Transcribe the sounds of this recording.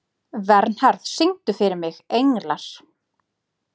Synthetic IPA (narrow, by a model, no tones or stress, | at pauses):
vɛɾn̥hɛɾð̥sɪŋt̪ʏfɪɾɪɾmɪɣejŋlaɾ̥